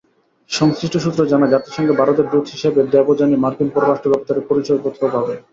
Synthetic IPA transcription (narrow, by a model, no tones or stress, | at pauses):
ʃɔŋsɾiʃʈoʃut̪ːɾod͡ʑanad͡ʑat̪eɾʃɔŋɡebʱaɾot̪eɾbɾud̪ʱɦiʃebed̪ɛbod͡ʑanimaɾkinpɔɾoɾaʃʈob̪ɔb̚t̪aɾepoɾit͡ɕojpot̪ʰobʱabe